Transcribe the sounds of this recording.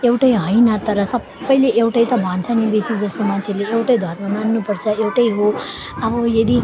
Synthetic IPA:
ewʈʌjɦʌjnʌt̪ʌɾʌsʌ | bʌjleʔewʈʌjt̪ʌbʱant͡sʰʌnibesid͡zʌst̪omant͡sʰeleewʈʌjd̪ʱʌɾmʌnanːupʌɾt͡sʰʌewʈʌjɦo | ʌbʌjʌd̪i

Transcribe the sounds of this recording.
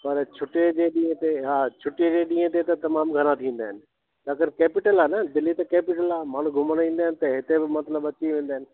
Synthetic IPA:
pɐɾt͡ɕʰʊʈed͡ʑeɗĩːə̃t̪eɦaːt͡ɕʰʊʈːed͡ʑeːɗĩːə̃t̪̬et̪ɐt̪ɐmaːmɡʱɐɾ̃ãt̪ʰĩːn̆d̪aːɦɪnɪ̆ | t̪akəɾkeːpɪʈəlaːnɐd̪ɪlːit̪ɐkeːpɪʈəlaːmaːɽ̤̃ũɡʱʊməɽ̃ĩːnd̪aːɦɪnɪ̆t̪ɐɦɪt̪ebɪmɐt̪ləbɐt͡ɕiʋẽːn̆d̪aːɦɪnɪ̆

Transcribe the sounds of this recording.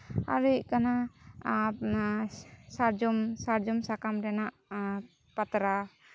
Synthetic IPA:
a̰ɾiʔkana | saɾd͡ʒɔmsaɾd͡ʒɔmsakamdɛnaʔ | pat̪ɾa

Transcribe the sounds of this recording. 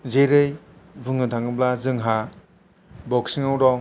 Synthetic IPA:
zeɾɯj | bɯŋnɯdʱaŋɯblazɯŋɦa | bɔksiŋawɾɔŋ

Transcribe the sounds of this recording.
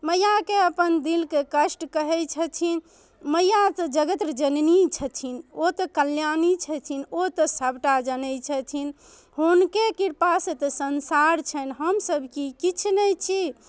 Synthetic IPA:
məjakeəpənd̪ilkekəsʈkəɦɛt͡ʃʰət̪ʰin | məjat̪əd͡ʒəɡət̪ɾd͡ʒənnit͡ʃʰət̪ʰinot̪əkəljanit͡ʃʰət̪ʰinot̪əsəbʈad͡ʒənɛt͡ʃʰət̪ʰin | ɦunkekiɾpaset̪əsənsaɾt͡ʃʰənɦəmsəbʱkikit͡ʃʰnəjt͡ʃʰi

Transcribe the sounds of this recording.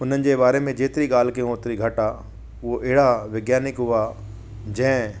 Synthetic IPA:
ʊn̤ənɪ̆d͡ʑebaːɾemẽd͡ʑeːt̪ɪɾiɠaːlkeõːt̪ɾiɡʱɐʈa | ʋoʔɪɦɽaʋɪɡjaːnɪkɦʊa | d͡ʑɛ̃ː

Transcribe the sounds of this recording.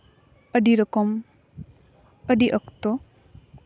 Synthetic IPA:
ɐdiɾɐkɔm | ɐdiʔɐkt̪ɔ

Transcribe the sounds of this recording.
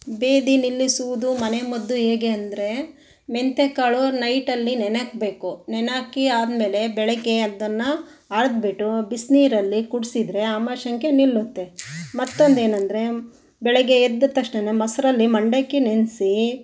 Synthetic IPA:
be̞ːd̪inilːisuʋud̪umɐnemɐd̪ːuɦeːɡeɐnd̪ɾe̞ | ment̪ekaːɭunɐjʈɐlːinɛnɐkbe̞ːkunɛnaːkiaːd̪me̞ːle̞bɛɭɛɡeɐd̪ɐnːɐ | aːɽɐd̪̚beʈubisniːɾɐlːikuɽsid̪ɾe̞amɐʃɐŋkʰenilːut̪ːe̞mɐt̪ːond̪e̞ːnɐnd̪ɾe̞ | bɛɭɛɡeːd̪ːɐt̪ɐkʂɳenemɐsɾɐlːimɐɳɖekːenensi

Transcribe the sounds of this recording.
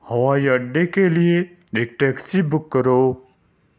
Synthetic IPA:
hɐʋajɐɖːekelije | ek̚ʈeksibʊkːəɾoː

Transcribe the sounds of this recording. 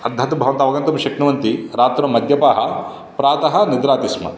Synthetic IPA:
ɐd̪ʱɐt̪bʱɐʋɐnt̪ɐːʋɐɡɐnt̪ɐmʃɐkɳuʋɐnt̪iɾaːt̪ɾɐmːɐd̪ʱjɐpaːɦɐ̆ | pɾaːt̪ɐɦɐ̆nid̪ɾaːt̪ismɐ̰

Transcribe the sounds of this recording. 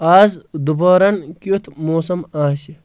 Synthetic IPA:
aːzd̪ubɐːɾɐnkut̪ʰmoːsɐmaːsi

